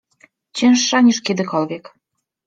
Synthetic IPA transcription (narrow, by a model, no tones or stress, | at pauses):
t͡ɕenʃːɑnʲeʃked̪ɘ̆kɔlβʲek